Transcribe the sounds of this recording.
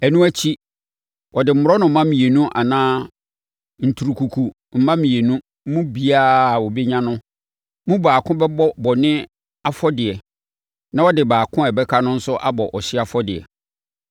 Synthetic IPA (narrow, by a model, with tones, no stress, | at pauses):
ɛ˨nũ˦æ˦t͡ɕʰi˦ | wɔ˨dɪ˨m̩˦mʊ˨ɾɔ˦nʊ̃˨m̩˦mã˦mĩ˨e˨nũ˦ʔa̰˨nãː˦ | n̩˨tʰu˨ɾu˨kʰu˨kʰu˨ | m̩˦mã˦mĩ˨e˨nũ˦ | mũ˦bi˦aː˦˨wɔ˨be˦ɲã˦nʊ̃˦ | mũ˦baː˨kʰʊ̃˦bɛ˦bɔ˦bɔ˨nɪ̃˦ | a˦fɔ˦dɪ˨ɛ˨ | nã˦wɔ˦dɪ˨baː˨kʰʊ̃˦ɛ˨bɛ˦kʰa˦nʊ̃˦n̩˦sʊ˦ʔa̰˦bɔ˨ʔɔ˨ɕɪ˦a˨fɔ˦dɪ˨ɛ̰˨